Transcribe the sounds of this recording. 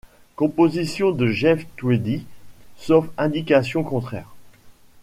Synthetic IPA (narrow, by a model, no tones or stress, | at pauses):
kɔ̃pozisjɔ̃d̪əʒɛft̪wed̪isofɛ̃d̪ikasjɔ̃kɔ̃t̪χɛ̰ːʁ